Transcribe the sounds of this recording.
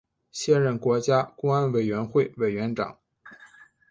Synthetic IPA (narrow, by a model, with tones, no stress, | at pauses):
ɕjɛ˥˧nɻə˥˩nkwɔ˧˥t͡ɕja˥kʊ˥ŋa˥nwe˨˩ɪɥɛ˧˥nxwe˥˩ɪwe˨˩ɪɥɛ˧˥nʈ͡ʂɑ̰˨˩˦ŋ